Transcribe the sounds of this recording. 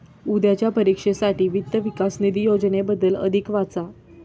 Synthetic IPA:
ud̪jat͡ɕjapəɾikʂesaʈiːʋit̪ːəʋikasnid̪ijod͡ʑnebəd̪ːələ̰d̪ʱikʋat͡sa

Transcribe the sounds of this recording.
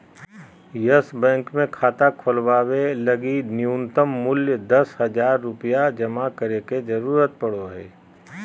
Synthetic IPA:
jəsbɛ̃ːŋkmẽkʰaːt̪akʰʊlwaːwelɐɡinɪjunt̪əmːʊljd̪ɐsɦɐd͡ʒaːɾːʊpijad͡ʒɐmakəɾeked͡ʒɐɾuːɾət̪̚pɐɽoɦɛː

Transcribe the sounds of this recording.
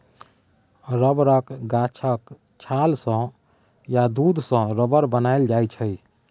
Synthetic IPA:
ɾəbɾəkɡat͡ʃʰək | t͡ʃʰalsə̃ | jad̪ud̪ʱsə̃ɾəbəɾbənaeld͡ʒajt͡ʃʰəj

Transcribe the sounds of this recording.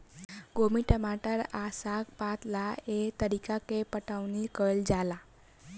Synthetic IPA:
ɡomiʈəmaʈəɾasaɡpat̪laet̪əɾikakepəʈaʋnikəld͡zala

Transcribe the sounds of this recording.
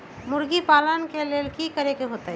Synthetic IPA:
mʊɾɡipaːlənkeleːlkikəɾekeɦoːt̪aɛ

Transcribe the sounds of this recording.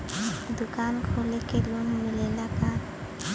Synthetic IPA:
d̪ukankʰolekelonmilelaka

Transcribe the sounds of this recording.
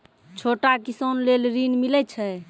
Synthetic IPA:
t͡ʃʰoʈakisonlelɾinmilɛt͡ʃʰɛ

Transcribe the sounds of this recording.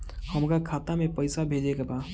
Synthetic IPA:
həmɾakʰaːt̪amepəɪsabʱed͡ʒekeba

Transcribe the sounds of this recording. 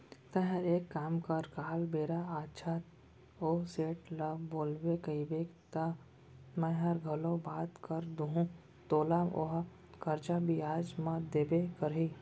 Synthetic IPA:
t̪ɐɦɛɾeːkːaːmkaɾkaːlbeːɾaaːtːt͡ʃʰat̪ | oːseːʈlaboːlbekɐibeːkt̪a | mɛ̃ɦɐɾɡʱɐlõbaːt̪kəɾd̪uɦũ | t̪oːlao̰ɦa | kɐɾt͡ʃabiaːd͡ʒmãd̪eːbekəɾɦi

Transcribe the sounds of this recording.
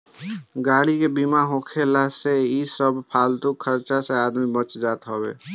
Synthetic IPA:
ɡaɽikebimaɦokʰelaseisəbʱpʰalt̪ukʰəɾt͡ʃasead̪mibət͡ʃd͡ʒat̪ɦɔbḛ

